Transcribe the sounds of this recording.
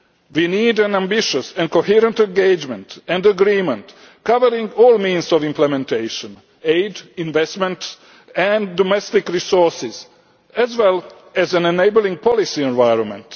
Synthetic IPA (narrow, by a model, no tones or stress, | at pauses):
winiːdæ̃næ̃mbɪʃəsɛ̃nkohiɾə̃ntɛ̃nɡeɪd͡ʒmɛ̃ntɛ̃ndəɡɾĩːmə̃nt | kavəɾĩŋɡɔːlmĩːnzɔvĩmplɛmɛ̃ntʰeɪʃə̃n | eɪdĩnvɛstmɛ̃nt | æ̃ndɔmɛstɪkɹisɔɹsɪz | æzwɛl | æzæ̃nɛneɪblĩŋɡ̚pʰɔlisiɛ̃nvajɹɔ̃nmɛ̰̃nt